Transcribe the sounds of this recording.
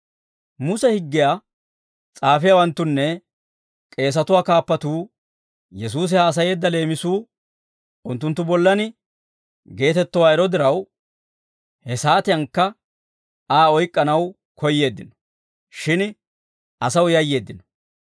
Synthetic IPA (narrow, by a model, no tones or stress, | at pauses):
mʊsɛhɪɡːɪjaː | t͡sʼaːfɪjawɐnt̪ːʊnːɛ | kʼe̞ːs̬ɐt̪ʊwaːkaːpːɐt̪uː | jɛs̬uːs̬ɪhaːs̬ɐje̞ːd̪ːɐle̞ːmɪsuː | ʊnt̪ːʊnt̪ːʊbɔlːɐnɪ | ɡe̞ːt̪ɛt̪ːɔwaːɛɾɔd̪ɪɾɐw | hɛsaːt̪ɪjɐŋkːɐ | aːɔjkʼːɐnɐw | kɔjːe̞ːd̪ːɪnɔ̥ | ʃɪn | ʔɐsɐwjɐjːe̞ːd̪ːɪnɔ̥